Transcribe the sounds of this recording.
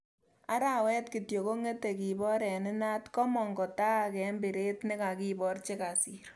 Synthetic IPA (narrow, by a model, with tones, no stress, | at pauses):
a˦ɾa˨wɛ˦tkɪ˨tjo˨ko˦ŋe˦te˨ki˨bɔ˦ɾɛ˨nɪ˦na˦tkɔ˦mɔ˨ŋɡɔ˨ta˦a˨kɛ˨˦mbɪ˨ɾe˦tnɪ˦ka˨ki˦bɔ˦rt͡ʃe˦ka˨si˨ɾ